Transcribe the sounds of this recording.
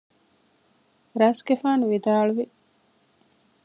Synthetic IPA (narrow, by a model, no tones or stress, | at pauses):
ɾɐsɡefaːnuʋid̪aːɭuʋi